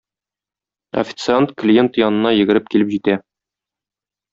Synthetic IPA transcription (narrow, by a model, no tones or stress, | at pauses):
ɐ̰fʲɪ̥t̪sɨant̪klʲije̞nt̪jɒnɤ̆nɑjɘ̆ɡɘ̆ɾɘp̚kilɘpʑit̪æ